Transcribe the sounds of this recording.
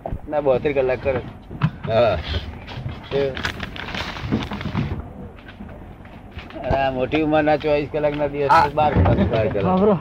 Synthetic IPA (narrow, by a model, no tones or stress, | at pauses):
nabəɦt̪ɾikəlːakːəɾe | a | t̪e | namoʈiʋmãnat͡ʃʋaliskəlaknad̪iʋəseɓaɾkmãskaikəlːo